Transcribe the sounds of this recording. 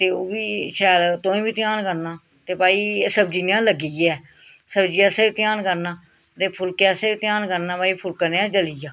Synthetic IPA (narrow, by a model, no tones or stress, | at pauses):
t̪eːoːʋiːʃɛːlt̪õːĩːbiːt̪ɪaːnkəɾnaː | t̪eːpaːiːsəbd͡ʒiːnãːləɡijɛː | səbd͡ʒiːɛːsaːiːt̪ɪjaːnkəɾnaː | t̪eːpʰʊlkɛːsaːiːt̪ɪjaːnkəɾnãːpaːiːpʰʊlkəneãːd͡ʒəlijaː